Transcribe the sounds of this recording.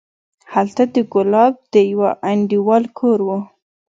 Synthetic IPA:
halt̪ad̪əɡʊlɑb̚d̪̥əjawaʔaɳɖiwɑlkʰoɾwu

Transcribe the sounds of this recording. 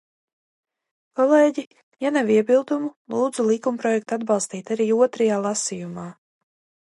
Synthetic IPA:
kɔlˠeːɟi | janaviɛbilˠd̪umulˠuːd̪zulˠikumpɾɔjɛk̚t̪ad̪bɑlˠst̪iːt̪aɾiːuɔt̪ɾajaːlˠasijumaː

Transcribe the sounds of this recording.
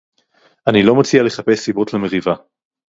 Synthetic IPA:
ʔanilo̞mot͡siale̞χape̞sːibotleme̞ʁiva

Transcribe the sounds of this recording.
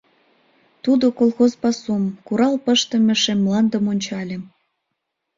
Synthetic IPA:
t̪ud̪okolˠxozpɑsumkuɾɑlpəʃt̪ə̆mʲĕʃemːlɑnd̪ə̆monʲt͡ɕɑlʲem

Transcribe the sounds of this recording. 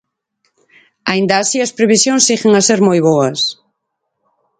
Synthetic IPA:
aind̪ɐːsiɐspɾeβisjõŋsiɣeŋaseɾmojβoɐs

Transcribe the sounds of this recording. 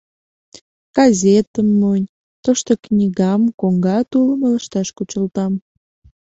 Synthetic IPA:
ɡ̥ɑzʲet̪əmnonʲ | t̪oʃt̪oknʲiɣɑmkoŋɡɑt̪uləmələʃt̪ɑʃkut͡ɕəlt̪ɑm

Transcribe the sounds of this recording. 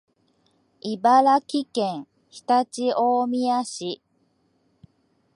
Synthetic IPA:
ibaɾakʲikẽŋ̃ | çi̥t̪at͡ɕiʔoːmʲiaɕi

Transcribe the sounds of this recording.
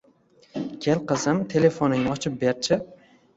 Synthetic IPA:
kʲʰelqɨzɪmt̪ʰe̞le̞fonɪŋɪɒt͡ʃʰɪp̚beɾt͡ʃʰɪ

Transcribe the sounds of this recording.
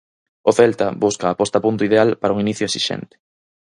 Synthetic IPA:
ʊθɛlt̪abuskaːpɔst̪apunt̪ʊiðealpaɾauŋiniθjoesiʃɛ̰nt̪ɪ̥

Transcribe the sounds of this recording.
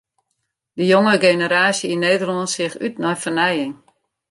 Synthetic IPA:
dəjoŋəɡenəɾaːsjəineːdərlɔnsɪxytnɔjfərnɛjɪŋ

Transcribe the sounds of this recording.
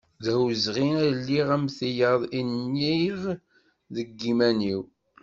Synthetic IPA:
ðæwzʁiælːiʁæmθijɑðˤinːiʁ | ðəɡːimæniw

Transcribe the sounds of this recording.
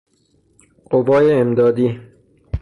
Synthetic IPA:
qovɒːjeːmd̪ɒːd̪iː

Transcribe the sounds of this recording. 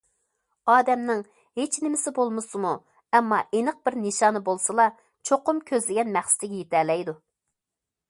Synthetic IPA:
ɑːd̪ɛmnɪŋ | het͡ʃnɪmɪsɪbolˠmɨsɨmu | ɛmːɑʔenəq̚b̥ɪɾnɨʃɑːnɨbolˠsɨlˠɑ | t͡ʃʰoqʊmkʲʰøzlɪɡʲɛnmæχsɪ̥t̪ʰɪɡʲɛjet̪ɛlɛjd̪u

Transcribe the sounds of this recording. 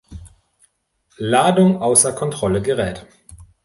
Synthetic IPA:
laːdʊŋʔaʊsɐkʰɔntʁ̥ɔləɡəʁɛːt

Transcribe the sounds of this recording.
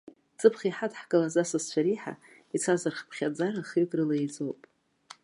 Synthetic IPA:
t͡sʼɨpʰχʲiħatʰʼħkʼɨlazasast͡ɕʷʰaɾiħa̰ | it͡sʰazarχpʰχʲad͡zaraχikʼrɨlaid͡zowpʼ

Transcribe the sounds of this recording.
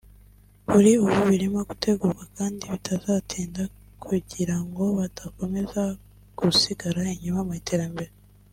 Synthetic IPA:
βuɾiuβuβiɾimaɡu̥tʰe̞ɡuːɾɡakaːndiβitʰazaːtʰeːnda | kʰuɟiɾaŋɡo̞βatako̞me̞za | ɡ̥usiɡaɾaiɲumamaitʰe̞ɾambe̞ɾe

